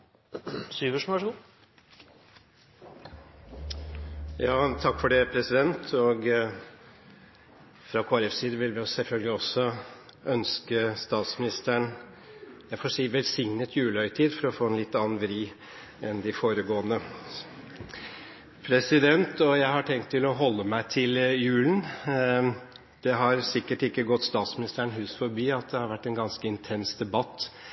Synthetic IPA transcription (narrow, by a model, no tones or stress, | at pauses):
syːʋəʂæʂəɡuː | jɑːt̪ʰɑkːfɔɖɛpʰɾɛsɪd̪ɛnt̪ʰɔɡ | fɾɑkʰoːæɾɛfsiːd̪əʋɪlmɛjʊsɛlfœlɡəlɪɔsɔœnskəst̪ɑːt̪smɪnɪst̪əɳ | jæɪfɔsiːʋɛlsɪŋnət̪jʉːləœʏt̪ʰiːd̪fɔɾɔfoːɛnlɪt̪ːɑnnʋɛɾiː | ɛnd̪ɪfoːɾəɡoːənə | pʰɾɛsɪd̪ɛnt̪ɔjæɪhɑʈʰɛŋkt̪ʰːɪlɔɦɔlːəmæɪt̪ʰɪljʉːln̩ | d̪̥ɛɦɑɾsɪkːəʈɪkːəɡɔt̪ːst̪ɑːt̪smɪnɪst̪əɳɦʉːsfɔɾbiːɑt̪̚d̪ɛhɑɾʋæʈːɛnɡɑnskəɪnt̪ʰɛnsd̪ɛbɑt̪ː